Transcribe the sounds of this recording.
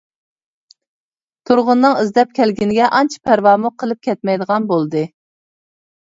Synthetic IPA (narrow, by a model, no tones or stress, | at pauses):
t̪ʰuɾʁʊnːɨŋizd̪ɛp̚kʲʰɛlɡʲinɪɡʲɛʔɑnt͡ʃʰpʰæɾwɑːmuqʰəlˠɨp̚kʲʰɛt̪̚mɛjd̪əʁɑnbolˠd̪ɨ